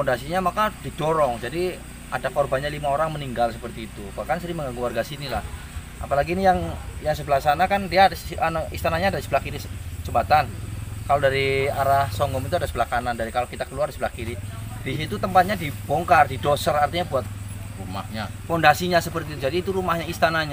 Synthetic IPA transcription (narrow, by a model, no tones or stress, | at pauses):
fɔndasiɲamakadidɔɾɔŋd͡ʒadi | adakɔrbanɲalimaoɾaŋməniŋɡalsəpərt̪iːt̪ubakansəɾiməŋɡaŋɡuwarɡasinilah | a̰palaɡiːnijaŋjaŋsəbəlaksanakandiaanist̪anaɲaːdadisəbəlakiɾist͡ʃəmbat̪ankalodaɾiaɾahsɔŋɡɔmit̪uadasəbəlakanandaɾikalokit̪akəluardisəbəlakiɾidisit̪ut̪əmpat̪̚ɲadibɔŋkardidosərart̪iɲabuat̪̚ | ruma̰hɲa̰fɔndasiɲasəpərt̪it̪ud͡ʒadiːt̪uɾumahɲaist̪anaɲa